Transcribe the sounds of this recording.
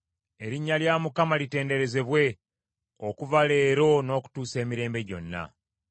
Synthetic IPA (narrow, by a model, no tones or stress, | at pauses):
e̞ɾiɲːaljaːmukamalite̞ːnde̞ɾe̞ze̞βwe̞ | okuvale̞ːɾo̞no̞ːku̥tuːse̞ːmiɾe̞ːmbe̞ɟo̞̰nːa̰